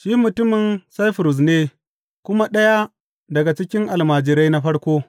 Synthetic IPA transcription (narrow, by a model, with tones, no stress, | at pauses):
ʃiː˦mʊ˨tʊ˦mɪ˨nsa˦jɸʊ˨ɾʊ˨s̬neː˦ | kʷʊ˦ma˦ɗɐ˦ja˦ | dɐ˨ɡa˨t͡ʃɪ˦kʲɪ˦ŋʔa˨lmaː˨d͡ʒɪ˨ɾa˦jna˦ɸɐ˦ɽkʷoː˦